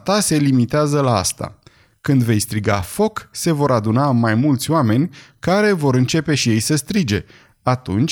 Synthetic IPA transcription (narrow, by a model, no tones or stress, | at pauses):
t̪ase̞limit̪eazəlaa̰st̪a̰ | kɨnd̪ve̞jst̪ɾiɡa̰fo̞kse̞vo̞ɾad̪unamːajmult̪sʲoame̞nʲkaɾe̞vo̞ɾɨnt͡ʃe̞pe̞ʃije̞jsəst̪ɾid͡ʒe̞ | at̪ṵnt͡ʃʲ